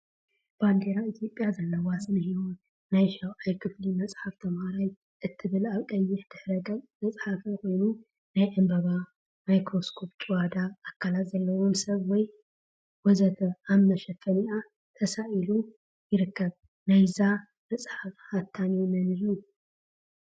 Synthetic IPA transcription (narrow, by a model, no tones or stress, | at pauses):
b̥and̪eɾait̪ʰjo̞pʼjazɐlːɐwasɨnɐhiwun | najʃɐwʔajkʰɨflimɐt͡sʼħaft̪ʰɐmhaɾaj | ʔɨt̪ʰːɨβɨlaβkʼɐjːɪħd̪̥ɨħɾɐɡɐmmɐt͡sʼħafɐko̞jnu | najʔɨmbɐβa | majkɾo̞skʰo̞pt͡ʃʼɨwad̪aːkʰːalat̪zɐlːɐwomsɐβwɔj | wɔzɐt̪ʰɐammɐʃɐfɐniʔa | t̪ʰɐsaʔilu | jɪɾɨkːɐβ | najza | mɐt͡sʼħafhat̪ʰːaniumɐnɨlu